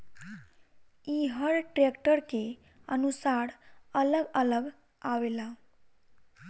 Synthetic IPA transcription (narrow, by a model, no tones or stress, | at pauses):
iɦəɽʈɾekʈəɾke | ənusaɽələɡələɡ | aʋela